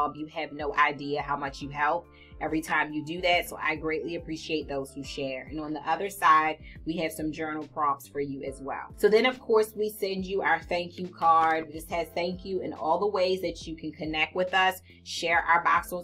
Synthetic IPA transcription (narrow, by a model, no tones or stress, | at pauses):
bjɨɨvnoʊʔaɪdiɨɦaʊmʌt͡ʃjɨɦɛlˠp̚ | ɛvɹitʰãɪ̃mjɨdɨðætsoʊʔa̰ɪɡɹeɪʔliɨpʰɹ̥iʃieɪt̪̚ðoʊz̥huʃɛɹɨ̰̃nə̃nðiʔʌðə˞saɪd̚wiɨv̥sʌ̃md͡ʒɜ˞nl̩ˠpʰɹ̥ɑpsfə˞jɨɨzwɛ̰lˠsoʊðɨ̃ɾ̃ʌv̥kʰɔɹswisɛ̃nd͡ʒɨʔaʊə˞θæ̃ŋkʰjʉkʰɑɹd̚id͡ʒʌst̚hɨz̥θæ̃ŋkʰjʉɨ̰̃nɔ̰lˠðəweɪzðɨt͡ʃɨkʰɨ̃n̩kʰɨnɛk̚t̚wɨðʌs | ʃɛɹʔa̰ʊə˞bɑ̰ksl̩ˠ